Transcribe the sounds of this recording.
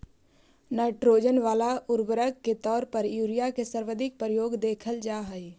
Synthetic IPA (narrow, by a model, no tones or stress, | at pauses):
naːʈɾoːd͡ʒənʋaːlaʊɾbəɾəkːet̪ɔːɾpəɾjuːɾijakesəɾʋəd̪ʱɪk̚pəɾəjoːɡd̪eːkʰəld͡ʒaːɦəi